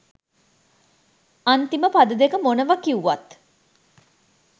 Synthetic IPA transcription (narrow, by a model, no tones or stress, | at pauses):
ant̪iməpad̪əd̪ekəmonəʋakiuʋat̪